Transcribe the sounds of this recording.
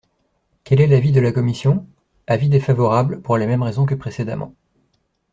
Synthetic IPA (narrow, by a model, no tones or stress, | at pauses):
kʲɛlɛlavid̪əlakɔmisjɔ̃ | avid̪efavɔʁabləpuʁlemɛmʁezɔ̃k̬əpχesed̪a̰mɑ̰̃